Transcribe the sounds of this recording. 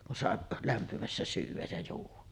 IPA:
kun sɑˑeʔ læmpimæsːæ syːʋˑæj jɑ juːʋˑɑ

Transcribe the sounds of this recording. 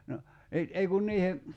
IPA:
no ni ei kun niːhe

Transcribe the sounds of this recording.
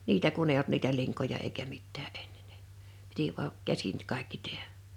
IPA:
niːtæ kun ei olt niːtæ liŋkojɑ eikæ mitːæː e̥n̥ːe̥n̥ n̥e̥ piti ʋuɑʔ kæsin kɑˑikːi tehæ̥

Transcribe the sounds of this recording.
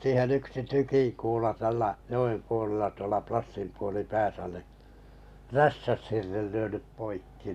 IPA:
siːhen yksi tykiŋkuːlɑ tælːæ joem puolelːɑ tuolɑ plɑsːimpuolipæːsæ ni ræstæshirːel lyønyp poikːi

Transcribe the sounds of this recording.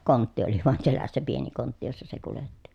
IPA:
kontːi oli ʋoɑn selæsːæ pieni kontːi josːɑ se kuletːi

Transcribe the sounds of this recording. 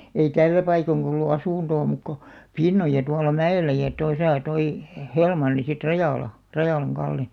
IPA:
ei tælːæ pɑikoŋkɑ̆ olːu ɑsuˑntoː muˑk ko pinːojɑ tuɑlːɑ mæelːæ jɑ tosɑˑ toi he̥ helmɑnːi sit rɑjɑˑlɑ rɑjɑˑlɑŋ kɑlːe

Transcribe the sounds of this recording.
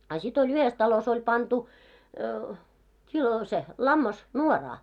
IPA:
ɑ sit olʲ yhes tɑlos olʲ pɑntu kilo se lɑmːɑs nuorɑː

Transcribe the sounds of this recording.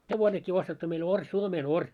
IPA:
heʋonekːiː ostetːu meil orʲ suomeːnorʲ

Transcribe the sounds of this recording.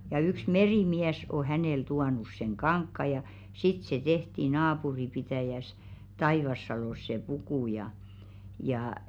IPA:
jɑ yks meriˑmiæs o hæneˑl tuɑnus seŋ kɑŋkːɑ jɑ sit se tehti nɑːpuripitæˑjæs tɑiʋɑsːɑloˑs se puku jɑ jɑː

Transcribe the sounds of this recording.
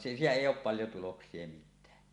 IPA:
siːtæ eˑijˑ oːp pɑljo tuloksˑie mitˑæː

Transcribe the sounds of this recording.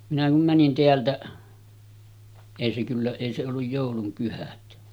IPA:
minæ kum mænin teæltæʔ eˑi se kylːæ eˑi se olːuj joˑulum pyhæt

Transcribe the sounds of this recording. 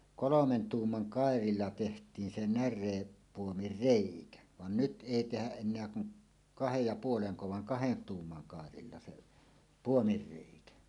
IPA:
kolomen tuːmːɑn kɑˑerilːɑ tehtˑiːn se nærˑeːpːuomir reˑikæ ʋɑn nyt ʔeˑi tehæʔ ʔenˑeæ kuŋ kɑhej jɑ puoleŋko ʋɑŋ kɑhen tuːmːɑn kɑˑerilːɑ se puomir reˑikæ

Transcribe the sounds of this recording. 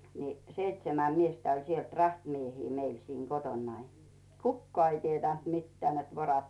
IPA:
ni seitsemæ miestæ olʲ sielt rɑhtmiehiː meil siːŋ kotonːɑi kukːŏɑˑ ei tietæˑnt mitːeæˑ net ʋorɑt

